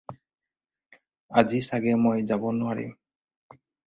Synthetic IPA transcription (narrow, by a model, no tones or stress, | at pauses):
azisaɡɛmojzabɔnʊaɹḭm